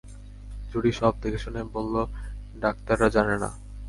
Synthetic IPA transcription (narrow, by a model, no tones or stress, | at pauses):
d͡ʑuɽiʃɔb̚d̪ekeʃonebolːo | ɖak̚t̪aɾːad͡ʑanena̰